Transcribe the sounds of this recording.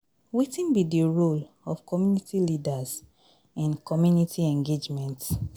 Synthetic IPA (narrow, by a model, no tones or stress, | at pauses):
witĩnbidiɹol | ɔfkʰɔmjunitʰilidaz | ɛ̃nkʰɔmjunitʰiɛ̃ŋɡed͡ʒmɛ̃nt